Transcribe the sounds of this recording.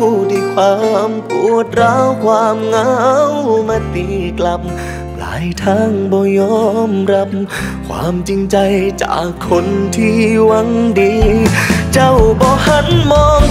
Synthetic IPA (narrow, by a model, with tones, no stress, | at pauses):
u˧˩di˧˩paː˧˦mku˧˩ət̪̚ɾaː˧˥wkʰwaː˧˥mŋaː˧˥wma˧˩t̪i˧˩la˧p̚ | la̰ː˨˦jt̪ʰaː˧˥˩ŋbɔː˧˩jɔː˧˩˥mɾa˦˥p̚ | kʰwa̰ː˧˥mt͡ɕi˧ŋt͡ɕa˧jt͡ɕa̰ː˨˩kʰːo˧˥nt̪ʰiː˧˩wa˧˥ŋdiː˧˦ | t͡ɕa˧˩wbɔː˧ha˧˥nmɔː˧˥ŋ